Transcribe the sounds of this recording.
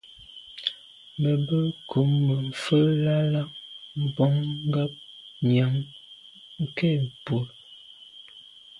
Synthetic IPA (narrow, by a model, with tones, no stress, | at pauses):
mə˨bə˦kʰu˨˦mːə˨m̩˨fə˦la˦la˦ʔm̩˨bɔ˦ŋŋ˦ɡa˦p̚ɲa˨˦ŋ | ŋ̩˨ke˦˨bo˨l